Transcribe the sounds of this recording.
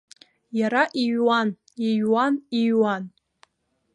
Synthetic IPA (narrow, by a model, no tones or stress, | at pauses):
jaɾaʔijwan | iɥwaniɥwan